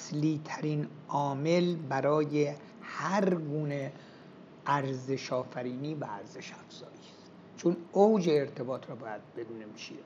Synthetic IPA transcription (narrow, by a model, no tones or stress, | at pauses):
sliːt̪ʰæɾin | ʔɒːme̞lbæɾɒːje | hæɾɡuːne | ʔæɾze̞ʃɒːfæɾiːniːvææɾze̞ʃæfz̥ɒːjist̪ | t͡ʃʰonowd͡ʒeːɾt̪ʰe̞bɒːt̪ʰɾɒːbɒːjæd̪̚be̞d̪uːnemiʃi